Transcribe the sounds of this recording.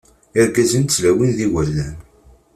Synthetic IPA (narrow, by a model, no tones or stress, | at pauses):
ɪɾɡæzint͡sːlæwinðiwælːæn